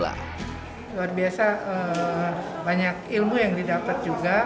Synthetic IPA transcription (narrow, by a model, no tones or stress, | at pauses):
la̰ | luarbiasaə | baɲakilmujaŋdidapət̪̚d͡ʒuɡa